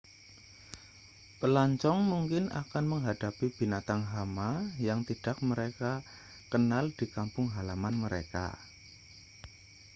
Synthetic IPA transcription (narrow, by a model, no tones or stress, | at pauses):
pəlaɲt͡ʃɔŋmuŋkɪna̰kanməŋɦad̥apib̥i̤nat̪aŋɦamajaŋt̪id̥a̤k̚məɾeka | kənald̥ikampʊŋɦalamanməɾḛka̰